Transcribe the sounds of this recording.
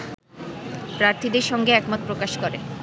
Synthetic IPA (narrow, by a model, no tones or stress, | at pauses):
pɾaɾt̪ʰid̪eɾʃɔŋɡeɛkmot̪̚pɾokaʃkoɾe